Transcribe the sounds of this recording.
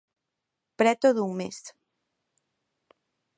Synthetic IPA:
pɾɛt̪oðuŋmes

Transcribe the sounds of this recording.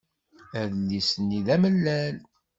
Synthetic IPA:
æðəlːisənːiðæməlːæl

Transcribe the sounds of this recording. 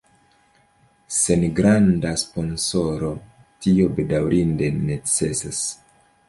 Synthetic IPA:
se̞nɡɾandaspo̞nso̞ɾo̞ | tio̞be̞dawɾʔinde̞ne̞t͡se̞sas

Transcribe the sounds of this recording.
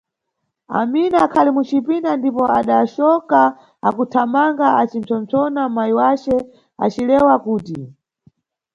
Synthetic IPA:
a̰minaakʰalimut͡ʃipindandipɔaɗaʃɔka | akutʰamaŋɡaat͡ʃin̩t͡sɔnt͡sɔnamaiwat͡ʃɛ | a̰t͡ʃilɛwakuːti

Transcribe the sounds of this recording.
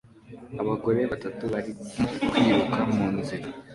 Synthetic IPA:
aβaɡo̞ɾe̞βatatuβaɾimokwiːβukʰamuːnziɾa

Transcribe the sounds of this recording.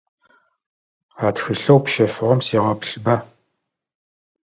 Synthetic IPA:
aːtxɨɬɐwpʃɐfɨʁɐmsiːʁɐpɬbɐ

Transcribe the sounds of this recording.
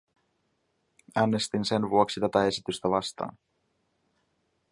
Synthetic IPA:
æːnːe̞st̪inse̞nvuoksit̪æt̪æe̞sit̪yst̪æʋɑst̪ɑ̰ːn

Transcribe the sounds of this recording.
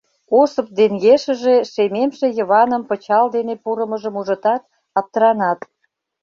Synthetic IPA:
osɤp̚d̪eŋɡeʃə̆ʒeʃememʃejə̆βɑnəmpə̆t͡ɕɑld̪enepuɾəməʒəmuʒə̆t̪ɑt̪̚ | ɑp̚t̪əɾɑnɑt̪

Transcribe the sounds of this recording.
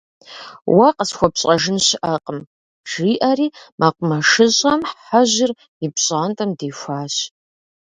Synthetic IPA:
wɐqʼəsxʷɔpɕʼɐʒɨnɕɪʔɐqʼəm | ʒ̥iːʔɐɾiːmaqʷʼʊmɐʂɨʑʼɐmħħaʑɪr | ibɕʼaːntʼɐmdeːfʷaːɕ

